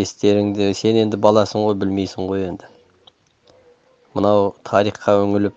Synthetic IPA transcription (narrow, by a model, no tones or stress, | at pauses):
est̪e̞ɾɪŋd̪ɪse̞ne̞nd̪ɪbɑlˠɑsəɴʁo̞jbɪlme̞jsɪɴʁo̞je̞nd̪ɪ | mənɑwt̪ʰɑɾijχqɑwɵŋɪlɪp